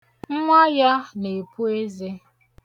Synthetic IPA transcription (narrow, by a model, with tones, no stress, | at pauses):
ŋ̩˦ŋʷa˦ja˦ne˨pu˦e˦ze˦